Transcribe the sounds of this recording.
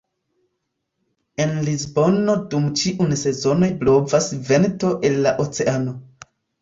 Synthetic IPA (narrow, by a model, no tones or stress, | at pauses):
e̞nlizbo̞no̞dumt͡ʃiʔunse̞zo̞no̞jblo̞vasvento̞ʔe̞lːaʔot͡se̞ano̞